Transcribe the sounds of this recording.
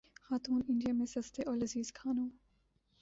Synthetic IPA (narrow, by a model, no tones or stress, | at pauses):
xaːt̪uːnɪ̃ɳɖijamẽsɐst̪eʔɔːɾlɐziːzkʰaːnũː